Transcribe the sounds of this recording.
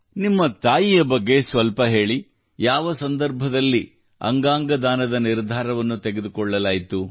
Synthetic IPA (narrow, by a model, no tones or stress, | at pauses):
nimːɐt̪aːjijɐbɐɡːe̞sʋɐlpɐɦe̞ːɭi | jaːʋɐsɐnd̪ɐɾbʱɐd̪ɐlːi | ɐ̰ŋɡaːŋɡɐd̪aːnɐd̪ɐniɾd̪ʱaːɾɐʋɐnːut̪eɡed̪ukɔɭːɐlaːjt̪u